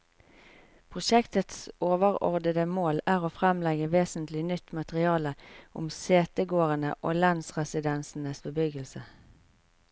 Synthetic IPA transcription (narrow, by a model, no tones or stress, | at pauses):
pʰʁʊʃɛkt̪ət̪soːʋəʁɔ̰ʁd̪əd̪əmoːlæːʁoːfʁɛmlɛɡəʋeːsnt̪lɪnʏt̪ːmɑt̪əʁɪɑːləʔʊmseːt̪əɡoːʁənə̰ʔoːlɑnsʁɛsɪd̪ɛnsn̩əsbəbʏɡəlsə